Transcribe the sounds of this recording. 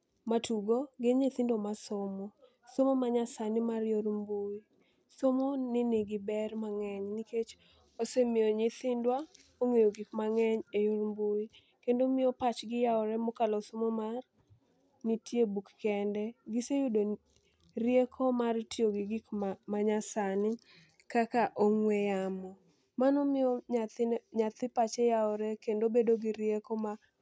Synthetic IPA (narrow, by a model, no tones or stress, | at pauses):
matuɡoɡɪɲɪt̪ɪndomasomɔ | somomaɲasanɪmarjoɾmboi | somonɪnɪɡɪbɛrmaŋɛɲniket͡ʃ | osemɪoɲɪt̪ɪndwa | oŋejoɡɪkmaŋɛɲejoɾmbui | kendomɪjopat͡ʃɡɪjaɔɾɛmokalɔsomomar | nitʰjebukːɛndɛɡɪsejudo | rjekʰomartɪoɡɪɡɪkmaɲasanɪ | kakaʔoŋwɛjamɔ | manɔmɪoatɲat̪ɪpat͡ʃejaɔɾɛkendobedoɡɪɾjekɔma